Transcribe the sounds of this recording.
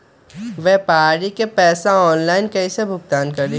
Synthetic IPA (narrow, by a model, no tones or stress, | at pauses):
ʋɛpaːɽikepɛːsaɔːnlaːɪnkɛisebʱʊɡ̚t̪aːnkɐɾd̪i